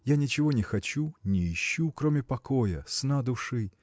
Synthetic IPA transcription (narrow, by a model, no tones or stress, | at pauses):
janʲɪt͡ɕɪvo̞nʲɪxɐt͡ɕunʲɪɪɕːukɾo̞mʲɪpɐkojə̰snad̪ʊʂɨ